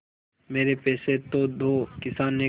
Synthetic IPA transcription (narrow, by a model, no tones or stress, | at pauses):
meːɾepɛːset̪od̪ʱokɪsaːnːe